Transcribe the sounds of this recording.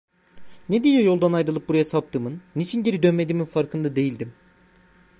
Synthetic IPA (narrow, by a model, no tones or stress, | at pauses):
ned̪ijɛjo̞lˠd̪anajɾɯlˠɯp̚buɾajasap̚t̪ɯːmɯnːit͡ʃʰinɟeɾid̪ø̞nme̞d̪iːminfaɾkʰɯnd̪ad̪e̞jilʲd̪im